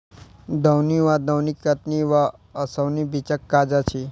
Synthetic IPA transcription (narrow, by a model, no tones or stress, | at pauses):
d̪əwniʋad̪əwnikːət̪niʋaəsəwnibit͡ɕəkːad͡zat͡ɕʰi